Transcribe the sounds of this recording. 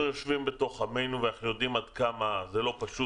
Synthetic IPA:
joʃvimbe̞t̪o̞χame̞jnuveaχjo̞d̪imad̪kamazelo̞paʃu

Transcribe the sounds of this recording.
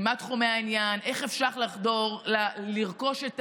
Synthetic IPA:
matχumeainjane̞χefʃaχlaχdo̞ʁlaliʁko̞ʃet

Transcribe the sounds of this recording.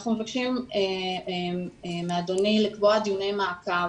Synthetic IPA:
χnumefakχime | mead̪onilikboad̪ijunejmaaka

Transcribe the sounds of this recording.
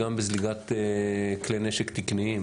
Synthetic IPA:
ambezliɡat̪ | kleneʃekt̪ikniim

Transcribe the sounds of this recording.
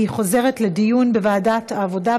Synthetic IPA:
iχo̞zeʁetledijunbevaːdataːvo̞da

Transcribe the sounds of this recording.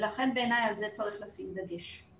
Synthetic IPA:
laχe̞nbeːnajalzet͡saʁiχlasimd̪aɡeʃ

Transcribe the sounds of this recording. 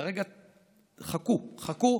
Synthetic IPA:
ʁeɡa | χakuχaku

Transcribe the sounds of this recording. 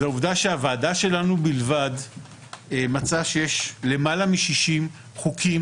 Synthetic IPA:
zauvdaʃeavaːdaʃe̞lanubilvad | emat͡saʃejeʃle̞malamiʃiʃim | χukʰim

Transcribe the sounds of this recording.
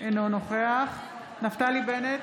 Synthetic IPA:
ʔenonoχeaχ | naft̪alibenet

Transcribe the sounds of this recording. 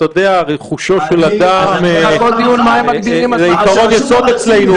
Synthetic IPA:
t̪aod̪eaʁeχuʃo̞ʃelad̪amkold̪ijunmaemmaɡbiʁimazeikaʁo̞njasod̪et͡slenu

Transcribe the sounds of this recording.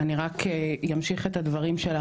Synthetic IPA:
aniʁakejamʃiχet̪had̪vɐʁimʃela

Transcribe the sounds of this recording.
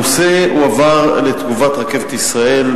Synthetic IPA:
useuavaʁlet̪ɡuvat̪ʁake̞vet̪isʁae̞l

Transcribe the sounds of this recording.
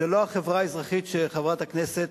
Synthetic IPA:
elo̞aχevʁaezʁaχiʃeχavʁat̪akneset̪

